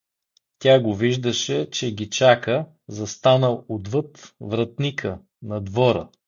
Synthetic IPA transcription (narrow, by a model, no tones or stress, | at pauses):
t̪ʲaɡoviʒd̪əʃɛt͡ʃɛɡʲit͡ʃakə | zɐst̪anəlˠod̪vɤt̪vɾɐt̪nikʰə | nɐd̪vɔɾə̰